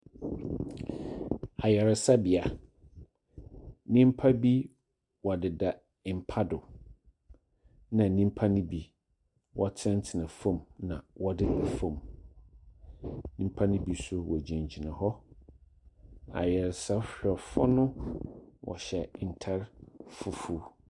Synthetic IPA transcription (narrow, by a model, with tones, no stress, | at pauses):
a˨jɛ˨ɾɪ˨sa˦bi˨a˨ | nĩ˦m˦pʰa˦bi˦ | wɔ˨dɪ˨da˨ | ɪ˨m̩˨pʰa˦dʊ˨ | nã˨nĩ˦m̩˦pʰa˦nʊ̃˦bi˨ | wʔɔ˦tʰɪ˦ɪ˦n̩˦tʰɪ˨nã˨fõ˦˨mnã̰˨wɔ˦dɪ˦da˨fõ˨m | nĩ˦m̩˦pʰa˦nʊ̃˦bi˦sʊ˦wɔ˨d͡ʑã˨ɲ˨d͡ʑʰi˨nã˨hɔ˦ | a̰˨jɛ˨ɾsa˦ɕᶣɛ˨fɔ˦nʊ̃˦ | wʔɔ̰˨ɕɛ˨n̩˨tʰa˦ɾfʊ˨fu˦